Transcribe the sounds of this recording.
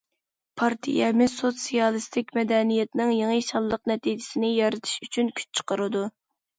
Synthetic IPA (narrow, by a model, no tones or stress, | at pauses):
pʰɑɾt̪ʰḭjɛmɪzsot̪sijɑlˠɨst̪ʰɪkʲmɛd̪ɛnijɛt̪nɪŋjeŋəjʃɑlˠːəq̚nɛt̪ʰid͡ʒɪsɪnɪjɑɾɪt̪ʰɪ̥ʃyt͡ʃʰynkʲʰy̥t͡ʃt͡ʃʰə̥qəɾɨd̪u